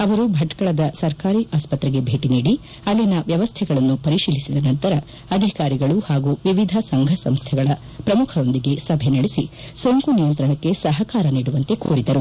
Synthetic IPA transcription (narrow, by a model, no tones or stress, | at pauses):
ɐʋɐɾubʱɐʈkɐɭɐd̪ɐsɐɾkaːɾiːʔaːspɐt̪ɾɛɡe̞bʱe̞ːʈiniːɽi | ɐlːinɐʋjɐʋɐst̪ʰɛɡɐɭɐnːupɐɾiʃiːlisid̪ɐnɐnt̪ɐɾɐ | ɐd̪ʱikaːɾiɡɐɭuhaːɡuʋiʋid̪ʱɐsɐŋɡʱɐsɐmst̪ʰɛɡɐɭɐ | pɾɐmukʰɐɾo̞nd̪iɡe̞sɐbʱenɐɽesi | soŋkunijɐnt̪ɾɐɳɐkːe̞sɐɦɐkaːɾɐniːɽuʋɐnt̪e̞kuːɾid̪ɐɾu